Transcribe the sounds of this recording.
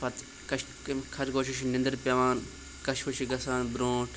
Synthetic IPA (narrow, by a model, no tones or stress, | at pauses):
pɐt̪ | kɐʃ | kʰɐɾɡoːʃiʃnɪ̃nd̪ɐɾpɐʋaːn | kɐʃpɐʃiɡɐsaːnbɾõːʈʰ